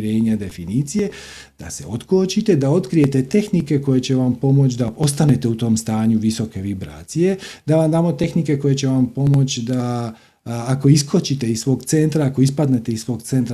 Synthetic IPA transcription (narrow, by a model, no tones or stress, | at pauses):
ɾe̞ːɲad̪e̞finiːt̪sije̞ | d̪̥a̰seo̞t̪kot͡ɕit̪e̞d̪ao̞t̪kɾije̞t̪e̞t̪e̞xnike̞ko̞je̞t͡ɕe̞ʋampo̞mo̞t͡ɕd̪ao̞st̪ane̞t̪e̞ut̪o̞ːmst̪aːɲuʋiso̞ke̞ʋibɾa̰ːt̪sije̞d̪aʋamd̪aːmo̞t̪e̞xnike̞ko̞je̞t͡ɕe̞ʋampo̞mo̞t͡ɕd̪aː | ko̞iskot͡ɕit̪e̞isʋo̞ːɡt̪se̞nt̪ɾaako̞ispad̪ne̞t̪e̞issʋo̞ːɡt̪e̞nt̪ɾa